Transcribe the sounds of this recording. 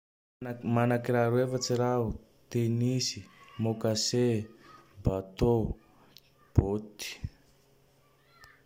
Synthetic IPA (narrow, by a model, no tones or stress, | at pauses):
manakiraɾuefat͡siɾau | t̪enisi̥mokase | bat̪o | b̥ot̪i̥